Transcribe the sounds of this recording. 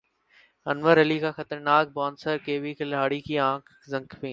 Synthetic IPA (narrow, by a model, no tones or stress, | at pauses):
ənʋəɾɐliːkaːxət̪əɾnaːk̚baːnsəɾkeːʋiːkɪlaːɽiːkiːãːkʰ | zə̃ŋkpĩː